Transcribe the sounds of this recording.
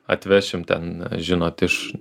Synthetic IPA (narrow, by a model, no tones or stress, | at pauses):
ɐ̰t̪ʲʋʲæʃʲɪmt̪ʲɛ̰nʒʲɪnoːt̪ɪʃ